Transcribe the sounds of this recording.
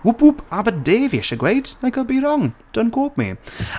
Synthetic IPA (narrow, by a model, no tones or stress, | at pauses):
ʊpʊpʰabədeːviɛʃəɡwejdnaɡəbiɾɔŋd̥ənkʰoːp̚mḭ